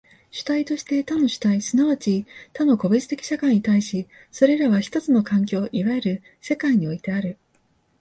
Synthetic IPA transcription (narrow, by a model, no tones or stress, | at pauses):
ɕɨ̥t̪ait̪o̞ɕi̥t̪e̞t̪ano̞ɕɨ̥t̪aisɨnaβat͡ɕit̪ano̞ko̞bet͡sɨ̥t̪e̞kʲi̥ɕakãiɲ̟it̪aiɕi | so̞ɾe̞ɾaβaçi̥t̪o̞t͡sɨno̞kãŋk̬ʲo̞ːʔiβae̞ɾɯ̟ | se̞kaiɲ̟io̞it̪e̞aɾɯ̟